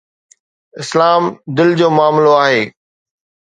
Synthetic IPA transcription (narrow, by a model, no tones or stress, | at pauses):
ɪslaːmd̪ɪld͡ʑoːmʊaːmloaːɦeː